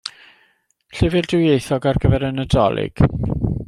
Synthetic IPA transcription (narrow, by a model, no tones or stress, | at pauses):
ɬɪvɪldɪwjejθɔɡarɡəvɛɾənədɔ̰lˠɪ̰ɡ̥